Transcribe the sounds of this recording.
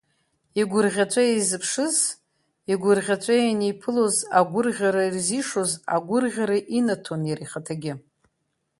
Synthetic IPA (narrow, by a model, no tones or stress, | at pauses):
iɡʷʊrʁʲat͡ʃʷʼaizɨpʰʂɨz | iɡʷʊrʁʲat͡ʃʷʼajanijpʰɨlozaɡʷʊrʁʲaɾairziʂo̞za̰ɡʷʊrʁʲaɾaʔinatʰonjaɾiχatʰaɡʲɪ